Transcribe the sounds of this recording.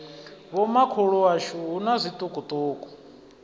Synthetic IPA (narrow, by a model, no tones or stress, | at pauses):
βɔmakʰuɺuaʃuɦunazʷit̪ʼukʼut̪ʼuːkʼu̥